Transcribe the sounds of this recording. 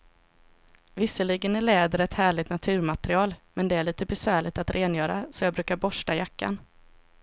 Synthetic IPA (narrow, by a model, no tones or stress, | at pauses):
vɪsːəɭɪɡənæɭɛːd̪əɾɛt̪hæːɭɪt̪nat̪ʰʉ̟ːɾmat̪ɾɪɑːlmɛnd̪ɛæɭiːt̪əbɛsvæːɭɪɡt̪at̪ɾʔeːnjœːɾasɔjɑːbɾʉ̟ːkaɾbɔʂʈajakːa̰n